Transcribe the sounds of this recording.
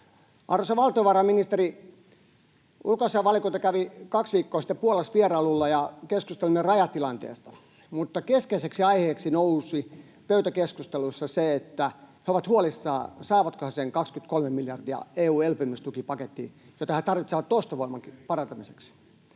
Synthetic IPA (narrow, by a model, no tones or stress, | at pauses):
ʔɑrːosɑʋɑlt̪ioʋɑrɑminist̪eri | ulkosiɑʋɑlikoit̪ɑkæʋikɑksʋiːkːoːsi̥t̪ːepuolesʋierɑlulːɑjɑkeskust̪elmerɑjɑt̪ilɑnt̪ḛːst̪ɑ̥ | mut̪ːɑkeskeiseksiɑiheːksinousi | pøyt̪ækeskust̪elusːɑseet̪ːæheoʋɑt̪huolisːɑːsɑːʋɑt̪kohɑseŋkɑkskyt̪kolmemiljɑrd̪iɑ̰eːuːelpymːist̪ukipɑket̪ːḭːjot̪ɑhet̪ɑrʋit̪seʋɑt̪tost̪ɑʋoimɑŋkipɑrɑnt̪ɑmiseksi̥